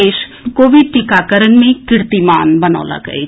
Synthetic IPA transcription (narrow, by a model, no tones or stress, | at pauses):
eːʃ | koːʋiɖʈikakəɾənmẽkɪɾt̪imaːnbɐna̰ːla̰ɡə̰e